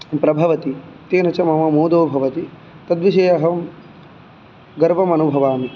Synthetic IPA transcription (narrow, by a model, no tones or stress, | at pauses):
pɾɐbʱɐʋɐt̪it̪eːnɐt͡ʃɐmɐmɐmoːd̪oːbʱɐʋɐt̪i | t̪ɐd̪ʋiʃɐjɐɦɐm | ɡɐɾbɐmɐnubʱɐʋaːmi